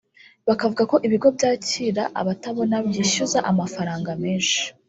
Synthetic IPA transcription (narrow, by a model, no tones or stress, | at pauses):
βakavuɡako̞ʔiβiɡo̞bɟaːciːɾaʔa̰βataβo̞nabjiːʃuzaʔamafaɾaːŋɡameːʒe̥